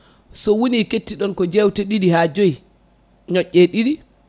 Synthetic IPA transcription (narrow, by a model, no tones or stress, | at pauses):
sɔwuniketːiɗɔnkɔd͡ʒɛwtɛɗiɾihad͡ʒoj | ɲɔʔːɛɗiɾi